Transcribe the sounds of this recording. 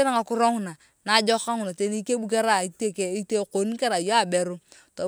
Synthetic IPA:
e˦ɾa˦ŋa˨kʊ˦ɾɔ˦ŋ˨na˨ | na˨˦d͡ʒɔ˦ka˦ŋu˨na˨te˦ni˦ke˦bu˦ke˦ɾa˦˨i˨te˦ke˨i˦te˦ko˨˦n˦ke˦ɾa˨jo˦a˦˨bɛ˨ɾu˦ | to˨

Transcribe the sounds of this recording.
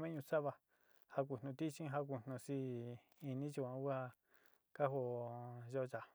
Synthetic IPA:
mẽ˦ɲũ˧sa˦βa˧ | ha˧k̬ʷu˧˨nũ˧t̪i˦t͡ʃĩ˦ɦa˧k̬u˧n̥ũ˧si˧ | i˧nĩ˦t͡ʃu˧˨ã˧u˦a˧ | ka˦ɦo˧ʒo˦˧t͡ʃa˨

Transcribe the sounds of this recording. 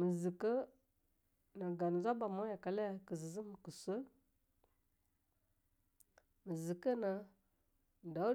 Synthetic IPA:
mə˨zə˨kə˦ | na˨ɡa˨n˨zʷa˦ba˨mo˦ja˨ka˨la˦ja˨kə˨zə˨zə˦mə˨kə˨sə˦ | mə˨zə˨kə˦na˨ | da˨˦

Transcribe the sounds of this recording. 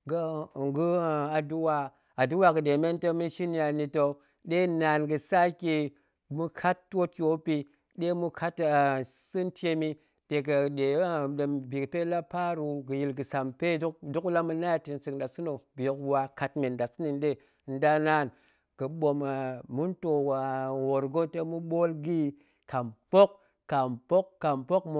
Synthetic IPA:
ɡŋɡu˦˨a˨du˦wa˨ | a˨du˦wa˦˨ɡɨ˨de˨me˦ntə˦mɨ˦ʃi˦n˦ja˨ni˨to˨ | ɗe˦na˨nɡɨ˨sa˦ki˨ | mu˦kʰa˦tːo˦t̚ki˨o˦pi˨ | ɗe˦mu˦kʰa˦t | sɨ˦nte˦mi˦ | de˨kə˨de˨˦˨dbi˨kpe˦la˦pa˦ɾu˨ɡɨ˨ji˨lɡɨ˨sa˨mpe˦dkdu˦kla˦mɨ˦na˦ja˦ti˨nsɨ˨kda˨su˦no˨bo˨kwa˨ka˨tme˨nda˨sɨ˦ni˨nde˦˨ | n̩˦da˦na˦˨n | kə˨ɓo˨ma˨mu˦nto˨wa˨wo˨ɾɡo˦te˦mu˦ɓo˦lɡi˦ | ka˨mpo˦kː | a˨mpo˦kːa˨mpo˦kmo˦

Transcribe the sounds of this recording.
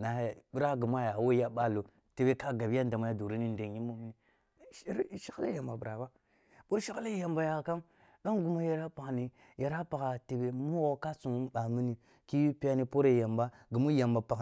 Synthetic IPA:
na˨bi˦ɾa˦ɡi˨mʷ˦a˦ja˨wo˦ja˦ɓa˦lo˨ | te˨be˦ka˦ɡa˨bja˦n˦da˨ma˨ja˦do˨ɾi˦ni˦n˦de˨ji˦mo˦mi˦ni˨˦ | ɾʃa˦kla̰˦ja˨mba˨bɾa˨ba˦ | bo˦ʃi˦kla˦ja˨mba˨ja˨ka˦m | ɗo˦ŋɡu˨mo˦ja˨ɾa˦pa˨kni˨ | ja˨ɾa˦pa˨ka˨te˨be˨mu˦o˦ka˦su˨mu˦ba˨mi˦ni˨ | ki˦ji˦pi˦a˦ni˦po˦ɾe˦ja˨mba˦ɡi˨mu˦ja˨mba˨pa˨k

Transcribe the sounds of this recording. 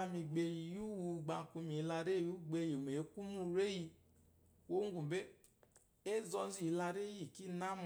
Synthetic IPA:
a˧mi˧ɡ͡be˧ji˨ju˦wu˧ɡ͡ba˧˨ku˧mi˨˦la˧ɾe˦˨ju˦ɡ͡be˧ji˨m˨e˨˦ku˦mu˦ɾe˦ji˧ | wo˦ŋ˦ɡu˨be˦ | e˦zɔ˧zi˨˧la˧ɾe˦ji˦˨ki˦na˦m˨

